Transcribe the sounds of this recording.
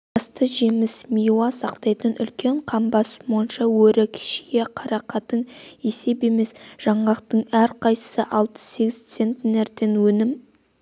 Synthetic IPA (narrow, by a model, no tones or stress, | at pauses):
ɑst̪əʒe̞mɪsmijuɑsɑqt̪ɑjt̪ənʔʏ̰lkʲe̞ɴqʰɑmbɑsmojənʃɑwɵɾɪkʲʰɪ̥ʃeɡeqʰɑɾɑqɑt̪əɴese̞pe̞me̞sʒ̥ɑɴʁɑqt̪əɴæɾqʰɑjsə̥səʔɑlˠt̪ə̥se̞ɡʲɪzt̪se̞nt̪neɾt̪e̞nwɵnɪm